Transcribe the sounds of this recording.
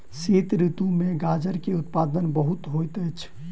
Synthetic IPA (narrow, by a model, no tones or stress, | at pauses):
sit̪ɾit̪ũmẽɡad͡ʒəɾkeʊt̪pad̪ənbəɦut̪ɦojt̪əjt͡ʃʰ